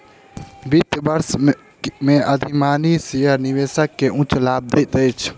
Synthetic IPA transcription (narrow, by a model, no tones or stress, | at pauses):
bit̪bəɾs | mẽʔəd̪ʱimaːnisejəɾniʋeːsəkːeʔũt͡ʃlaːb̚d̪et̪ət͡ʃʰ